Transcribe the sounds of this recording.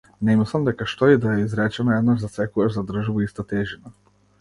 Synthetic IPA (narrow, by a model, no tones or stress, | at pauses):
nemisamd̪ekaʃt̪oid̪ajeizɾɛt͡ʃɛnajɛd̪naʒzat̪sɛkujeʃzad̪r̩ʒʋuist̪at̪eʒina